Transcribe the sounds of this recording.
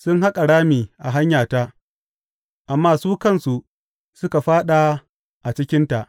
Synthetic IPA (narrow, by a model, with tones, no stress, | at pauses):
sʊ˦nɦa˦kʼa˨ɽaː˦miː˨ʔa˨ɦa˦ɲjaː˨ta˦ | ʔa˨mːaː˦˨suː˦kɐ˦˨nsu˨ʔ | sʊ˦ka˨ɸaː˦ɗa˨ | ʔa˨t͡ʃɪ˦kʲɪ˦nta˨ʔ